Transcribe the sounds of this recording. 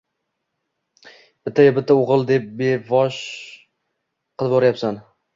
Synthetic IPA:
b̥ɪt̪ʰːajɒbɪt̪ʰːaoʁɨlˠd̪e̞p̚be̞vɒʃ | qʰɨlˠbɒɾajapsan

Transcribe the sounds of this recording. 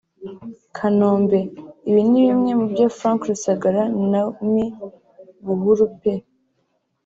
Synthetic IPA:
kʰanoːmbe̞iβiniβimŋe̞mubɟaːfɾãːŋkɾusaɡaɾanami | βuɦuɾupe

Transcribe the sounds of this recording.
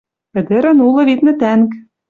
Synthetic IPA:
pɘ̆d̪ɘ̆ɾɘ̆nulˠɤ̆βit̪nɘ̆t̪æŋk

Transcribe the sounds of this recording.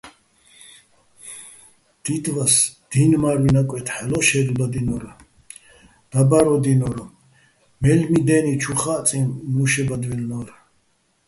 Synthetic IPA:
d̪̥id̪vasd̪̥inmaɾwinakʼwɛt̪ʰħɛlɔʃɛd̪ub̪ad̪inɔɾ | d̪̥abaɾɔd̪inɔɾ | mɛlmid̪ɛnit͡ʃʰuχat͡s̪ʼimːuʃɛbad̪vilnɔɾ

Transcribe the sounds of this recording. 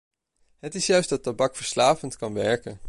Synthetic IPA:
ɦətɪsjœɥsdɑtabɑkfəɹslaːvəntkɑnʋɛɹkə

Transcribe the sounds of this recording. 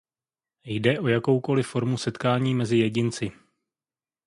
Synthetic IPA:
jdɛʔo̞jako̞wko̞lɪfo̞ɾmusɛt̪kaːɲiːmɛzɪjɛɟɪnt͡sɪ

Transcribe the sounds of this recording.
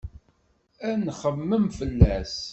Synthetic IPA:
ænχəmːəmfəlːæs

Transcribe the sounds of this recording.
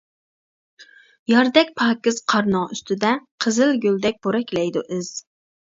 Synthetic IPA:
jɑɾd̪ɛk̚ʲpʰɑːkʲɪz̥qʰɑɾnɑyst̪ʰɪd̪ɛqʰəzɪlɡʲøld̪ɛk̚ʲb̥oɾɛkʲlɛjd̪ṵʔɪz̥

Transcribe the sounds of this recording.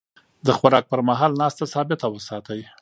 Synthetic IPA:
d̪əxaɾɑk̚pəɾmaɦɑlnɑst̪asɑbɪt̪awəsɑt̪əj

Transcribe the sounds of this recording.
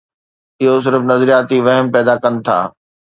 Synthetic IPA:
ɪɦos̬ɪɾfnɐzɾijaːt̪iʋɐɦəmpɛːd̪akɐnɪ̆t̪ʰa̰ː

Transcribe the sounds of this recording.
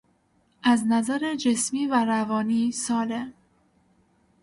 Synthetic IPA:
ʔæznæzæɾed͡ʒesmiːvæɾævɒːniːsɒːlem

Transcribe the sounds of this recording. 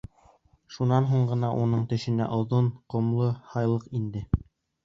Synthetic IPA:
ʃunɑnɦuɴɢɤ̆nɑʔunɤɴt̪ɵ̆ʃɘ̆næ̰ʔŏðonqŏmlˠɤhɑjlˠɤqind̪ɘ

